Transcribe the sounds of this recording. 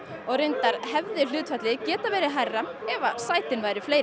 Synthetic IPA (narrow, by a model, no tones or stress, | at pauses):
ɔɣrejnt̪aɾ̥hɛvðɪl̥ʏːt̪fɛt̪lɪðcɛːt̪avɛːɾɪɦajrːaɛvasaːjt̪ɪnvaːjɾʏflejɾ